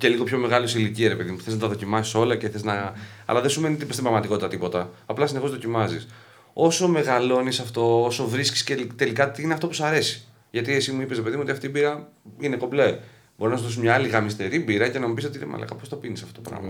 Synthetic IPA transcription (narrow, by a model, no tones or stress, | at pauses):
ce̞liɣo̞pço̞me̞ɣɐlusiliciɐɾepe̞ðimuθe̞znɐt̪ɐðo̞cimɐsi̥so̞lɐceθe̞znɐɐ̰lɐðesume̞nit̪ist̪imbɾɐɣmɐt̪iko̞t̪it̪ɐt̪ipo̞t̪ɐɐplɐsine̞xo̞zðo̞cimɐzis | o̞so̞me̞ɣɐlo̞nisɐft̪o̞oso̞vɾisci̥scelt̪e̞likɐt̪iineɐft̪opusɐɾe̞si̥ | ʝɐt̪iesimuipe̞sɾepe̞ðiuoiɐft̪iːbiɾɐ | ine̞koble | bo̞ɾinɐsuzðosimɲɐːliɣɐmist̪e̞ɾibiɾɐcenɐmibisot̪inemɐ̰lɐ̰kɐpost̪o̞pinisɐft̪o̞t̪opɾɐ̰mɐ